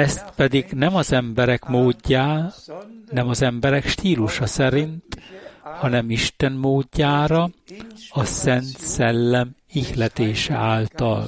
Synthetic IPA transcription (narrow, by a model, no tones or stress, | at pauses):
ɛst̪pɛd̪iɡnɛmɒzɛmbɛɾɛkmoːɟːaːlnɛmɒzɛmbɛɾɛkʃt̪iːluʃɒsɛɾint̪hɒnɛmiʃt̪ɛnmoːɟːaːɾɒ | ɒsɛnt̪sɛlːɛm | ihlɛt̪eːʃɛ̰aːlt̪ɒ̰l